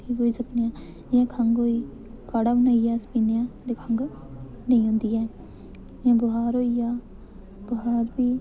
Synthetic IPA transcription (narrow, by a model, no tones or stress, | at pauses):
ʈʰiːkoːisəknjã | jẽːkʰaŋɡoːi | kaɽaʋnaijaːspinjãd̪ekʰaŋɡ | nɐĩʊ̃ːnd̪iɛː | jẽbʊɦaːɾoːija | bʊɦaːɾbiː